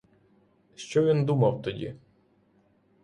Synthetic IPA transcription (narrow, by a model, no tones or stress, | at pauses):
ʃt͡ʃɔʋʲind̪umɐwt̪ɔdʲḭ